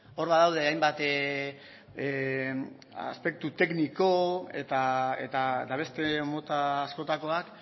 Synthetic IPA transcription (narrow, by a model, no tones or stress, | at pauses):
o̞ɾβaðawðe̞ajmbat̪ | a̰spe̞k̚t̪ut̪e̞kniko̞e̞t̪aet̪at̪aβ̞e̞st̪e̞mo̞t̪aːsko̞t̪ako̞ak